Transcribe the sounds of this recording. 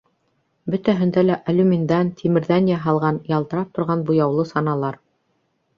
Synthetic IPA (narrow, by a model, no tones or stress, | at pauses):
bɵ̆t̪æɦɵ̆nd̪ælæʔɐlʲʉmʲind̪ænt̪ʲʰimɘ̆ɾðænjɑɦɑlˠʁɑnjɑlˠt̪ɤ̆ɾɑp̚t̪ŏɾʁɑnbujɑwlˠɤsɑnɑlˠɑɾ